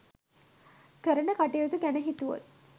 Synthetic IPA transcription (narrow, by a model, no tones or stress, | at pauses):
kəɾənəkaʈejot̪ukænəɦit̪uʋo̰t̪̚